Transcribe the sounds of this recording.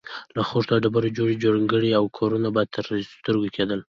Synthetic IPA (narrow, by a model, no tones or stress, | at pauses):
laxoʐt̪aɖabaɾod͡ʒoɽid͡ʒoɽŋɡəɽiawkʰɑɾunabɑjad̪̚t̪ʰəɾst̪əɾɡokʰed̪əl